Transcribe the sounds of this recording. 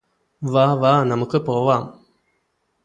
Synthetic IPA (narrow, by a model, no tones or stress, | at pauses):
ʋaːʋaːnɐmʊkːɯpoːʋaːm